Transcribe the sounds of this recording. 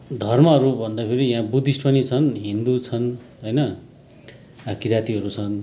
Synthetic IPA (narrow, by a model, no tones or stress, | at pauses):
d̪ʱʌrmʌʌɾubʱʌnd̪apʰiɾijãbud̪ʱisʈpʌnit͡sʰʌnɦind̪ut͡sʰʌn | ɦʌjnʌ | akiɾat̪iɦʌɾut͡sʰʌn